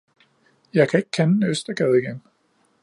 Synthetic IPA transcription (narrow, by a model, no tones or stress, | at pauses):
jɑ̈ɪkʰæe̝ɡ̥əkʰænnøsd̥ɐɡ̥ɛːð̞ˠiɡ̥en